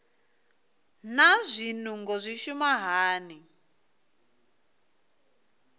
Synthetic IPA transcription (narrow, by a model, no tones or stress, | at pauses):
nazʷinuŋɡɔzʷiʃumaɦaːni